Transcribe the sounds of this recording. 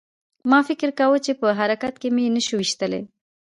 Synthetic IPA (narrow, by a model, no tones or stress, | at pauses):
mɑfɪkɾkawət͡ʃepəɦaɾakat̪̚kemenəʃuwiʃt̪əlḛ